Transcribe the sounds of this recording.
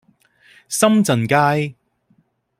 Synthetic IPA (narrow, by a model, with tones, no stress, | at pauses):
sɐ˥mt͡sɐ˨˩nkaː˥j